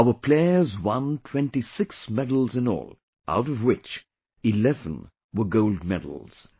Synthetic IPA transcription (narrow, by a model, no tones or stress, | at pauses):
aʊəpʰl̥eɪəzwʌ̃ntʰw̥ɛ̃ntisɪksmɛdl̩ˠzɨ̃nɔ̰ːlˠ | ʔa̰ʊɾʌvwɪt͡ʃ | ilɛvə̰̃n | wəɡoʊld̚mɛ̰dl̩ˠz̥